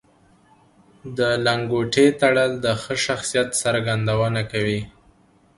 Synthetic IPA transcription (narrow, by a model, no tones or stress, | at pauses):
d̪əlaŋɡoʈet̪aɽəld̪əxəʃaxsijat̪saɾɡand̪awənakawi